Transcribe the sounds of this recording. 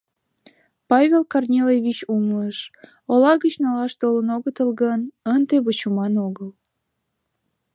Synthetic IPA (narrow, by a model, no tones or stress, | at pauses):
pɑβʲelkɑrnʲelejβʲit͡ɕumləʃ | olɑɣət͡ɕnɑlɑʃt̪olənoɣət̪əlɣənənd̪eβut͡ɕumɑnoɣəl